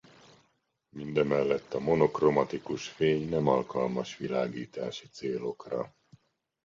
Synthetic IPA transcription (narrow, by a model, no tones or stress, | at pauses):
mind̪ɛmɛlːɛt̪ːɒmo̞no̞kro̞mɒt̪ikuʃfeːɲnɛmɒlkɒlmɒʃʋilaːɡiːt̪aːʃit̪seːlo̞krɒ̰